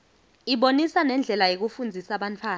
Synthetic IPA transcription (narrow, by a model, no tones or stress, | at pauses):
iɓonisanɛnd͡ɮʱɛlajok̬ufund͡zʱisaɓantʰwaː